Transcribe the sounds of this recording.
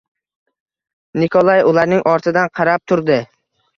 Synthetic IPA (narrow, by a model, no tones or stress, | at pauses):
nɪkʰolˠajʊlˠaɾnɪŋʔɒɾt̪ʰɪd̪anqʰɑɾap̚t̪ʰʊɾd̪ɪ